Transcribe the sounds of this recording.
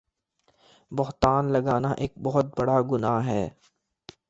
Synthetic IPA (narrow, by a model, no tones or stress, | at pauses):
bʊɦt̪aːnlɐɡaːnaʔeːk̚bɔɦʊt̪̚bɐɽaɡʊnaːɦɦɛː